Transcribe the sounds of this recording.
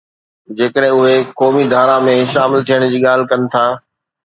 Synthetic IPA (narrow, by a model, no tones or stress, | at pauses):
d͡ʑeːkəɗɦɪ̃ʊɦekɔːmid̪ʱaːɾãmẽʃaːmɪlt̪ʰijəɽ̃̆d͡ʑiːɠaːl̤ɪ̆kɐnɪ̆t̪ʰaː